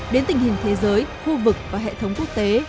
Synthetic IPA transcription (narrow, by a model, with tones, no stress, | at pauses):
ɗe˨˦nt̪ï˨˩ŋ̟hï˨˩ŋ̟t̪ʰe˨˦zəː˨˦jxu˧vɨ˨˩k̚vaː˨˩ɦḛ˧˨t̪ʰə˨˦wŋ͡mku˦˥ək̚t̪e˨˦